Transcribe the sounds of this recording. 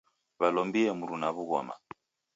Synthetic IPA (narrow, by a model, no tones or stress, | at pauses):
βalɔmbiɛmuɾunaβuɣɔ̰ma̰